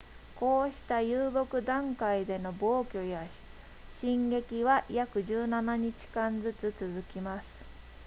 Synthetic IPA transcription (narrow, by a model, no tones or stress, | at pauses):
ko̞ːɕi̥t̪ajɯːbo̞kɯ̟d̪ãŋkaid̪e̞no̞bo̞ːkʲo̞ja | ɕĩŋɡe̞kʲiβajakɯ̟ʑɨːnanaɲ̟it͡ɕi̥kãnd͡zɨt͡sɨt͡sɨzɨkʲimasɨ̥